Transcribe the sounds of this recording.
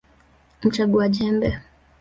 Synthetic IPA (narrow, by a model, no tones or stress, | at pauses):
m̩t͡ʃaɡuaʄɛmbɛ